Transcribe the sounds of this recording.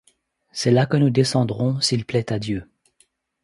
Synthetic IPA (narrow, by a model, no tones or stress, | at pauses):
sɛlakənud̪esɑ̃d̪ʁɔ̃silplɛt̪ad̪jø